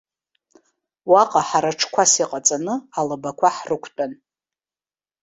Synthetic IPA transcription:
waqʼaħaɾaʈ͡ʂʰkʷʰasiqʼat͡sʼanɨalɨbakʷʰaħrɨkʷʰtʼan

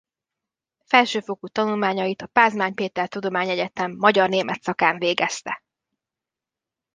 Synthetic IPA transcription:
fɛlʃøːfo̞kut̪ɒnulmaːɲɒjit̪ɒpaːzmaːɲpeːt̪ɛrt̪ud̪o̞maːɲɛɟɛt̪ɛmːɒɟɒrneːmɛt̪sɒkaːɱveːɡɛst̪ɛ

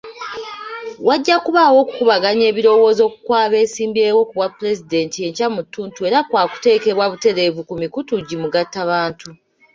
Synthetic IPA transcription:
waɟːakuβawo̞ːku̥kuβaɡaɲe̞ːβiɾo̞wo̞ːzo̞ːku̥kwaːβe̞ːsiːmbie̞ːwo̞kuβwapːuɾe̞zide̞ntie̞ɲcamutːuːntue̞ɾakwaːku̥te̞ːke̞βwaβute̞ɾe̞vukumikutuɟimuɡatːaβaːntu

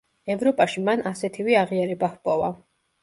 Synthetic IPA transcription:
ɛvɾɔpʼaʃimanʔasɛt̪ʰiviaʁiaɾɛbahpʼɔva

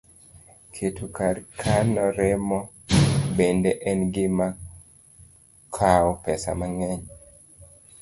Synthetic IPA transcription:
kʰetʰukaɾkʰanɔɾɛmɔ | bendeʔɛnɡɪma | kʰaɔpɛsa̰maŋɛɲ

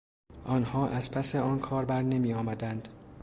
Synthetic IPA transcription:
ʔɒːnhɒːʔæzpʰæse̞ɒːnkʰɒːɾbæɾne̞miːjɒːmæd̪ænd̪̥

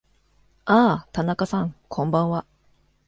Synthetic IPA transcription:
aːt̪anakasãŋkʰõ̞mbãɰ̃βa

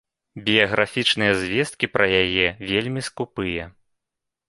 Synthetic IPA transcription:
bʲijɐɣɾafʲit͡ʂnɨjɐzʲvʲɛst̪̚kʲipɾɐjajɛvʲelʲmʲiskupɨjɛ

